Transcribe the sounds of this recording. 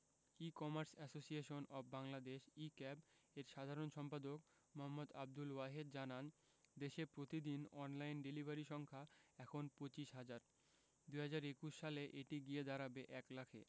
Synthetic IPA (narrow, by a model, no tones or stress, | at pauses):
ikɔmaɾsɛsosieʃonɔbbaŋlad̪eʃikɛbeɾʃad̪ʱaɾonʃɔmpad̪ok | moɦamːod̪a̰b̚d̪ulwaɦed̪̚d͡ʑanan | d̪eʃeɾpɾot̪id̪inɔnlajnɖelibaɾiʃɔŋkʰaɛkʰonpot͡ɕiʃɦad͡ʑaɾ | d̪uɦad͡ʑaɾekuʃʃaleʔeʈiɡied̪aɾabeʔɛklakʰḛ